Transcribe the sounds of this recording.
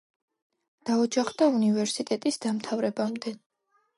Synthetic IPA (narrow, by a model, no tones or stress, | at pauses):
d̪̥aɔd͡ʒaχd̪aunivɛɾsit̪ʼɛt̪ʼisd̪amt̪ʰavɾɛbamd̪ɛ